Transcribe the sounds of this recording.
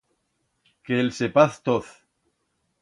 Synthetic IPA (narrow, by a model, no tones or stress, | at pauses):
kelsepaθt̪oθ